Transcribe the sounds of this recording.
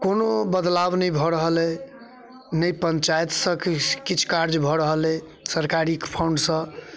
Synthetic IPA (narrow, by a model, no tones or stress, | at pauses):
konobəd̪labnəjbʱɔɾəɦəlɛ | nəjpənt͡ʃajt̪sə̃kkit͡ʃʰkaɾd͡ʒbʱɔɾəɦəlɛ | səɾkaɾikpʰawɳɖsə̃